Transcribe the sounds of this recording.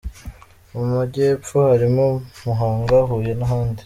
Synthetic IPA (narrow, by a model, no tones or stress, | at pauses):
umaɟeːp͡fuhaɾimomuɦaːŋɡaɦuːje̞naɦaːndi